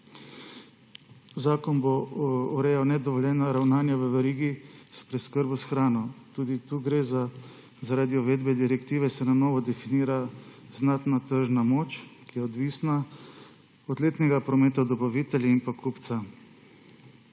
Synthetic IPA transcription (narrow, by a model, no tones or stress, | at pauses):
zaːkɔnboɔɾeːjawnɛd̪ɔʋɔljɛːnaɾawnaːnjaʋəʋɛɾiːɡispɾɛskəɾbusxɾaːnɔt̪uːd̪it̪uːɡɾeza | zaɾaːd̪iɔʋeːd̪bɛd̪iɾɛkt̪iːʋɛsɛnanɔːʋɔd̪ɛfiniːɾaznaːt̪nat̪əɾʒnamoːt͡ʃkijɛɔd̪ʋiːsna | ɔd̪leːt̪nɛɡapɾɔmeːt̪ad̪ɔpaʋit̪ɛljainpakupt̪sa